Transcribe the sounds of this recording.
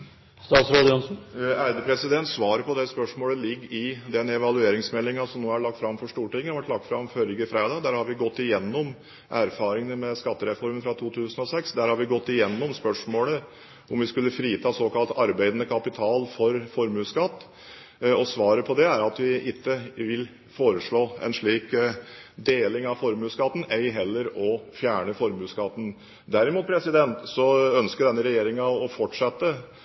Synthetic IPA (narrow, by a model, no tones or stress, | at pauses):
st̪ɑːt̪sɾoːd̪əjʊnsn̩æɪd̪əpʰɾɛsɪd̪ɛnt̪sʋɑːɾəpʰɔd̪ɛspœʂmoːləlɪɡːɪd̪ɛnɛʋɑlʉeːɾɪŋsmɛlːɪŋɑsɔmnoːæɭɑk̚t̪fɾɑmːfɔʂʈuːʈɪŋːəʋæʈlɑk̚t̪fɾɑmfœɾɡəfɾeːd̪ɑːd̪æːɾhɑɾʋɪɡɔt̪ːɪjɛnːɔm | ʔæɾfɑːɾɪŋənəmɛskɑt̪ːəɾɛfɔɾmən̩fɾɑt̪ʰuːt̪ʰʉːsənɔsɛksd̪æɾhɑɾʋɪɡɔt̪ːɪjɛnːɔmspœʂmoːlə | ʔɔmʋɪskʉlːəfɾiːt̪ʰɑːsoːkɑlt̪ɑɾbæɪd̪ənəkʰɑpɪt̪ʰɑːlfɔɾfɔɾmʉːskɑt̪ː | ɔsʋɑːɾəpʰɔd̪ɛæɾɑt̪ʋɪʔɪkːəʋɪl | foːɾəʂɭoːɛ̰nʂɭiːk | d̪eːlɪŋɑʋfɔɾmʉːskɑt̪ːn̩æɪɦɛlːəɾɔfjæːɳəfɔɾmʉːskɑt̪ːn̩ | d̪æɾɪmuːt̪̚pʰɾɛsɪd̪ɛnt̪sɔœnskəɖ̪ɛnːəɾɛjeːɾɪŋɑɔfɔʈʂɛt̪ːə